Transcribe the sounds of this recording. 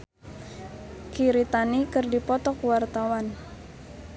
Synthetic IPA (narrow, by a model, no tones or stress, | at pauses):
kiɾit̪anikɨrdipɔt̪ɔkwart̪awan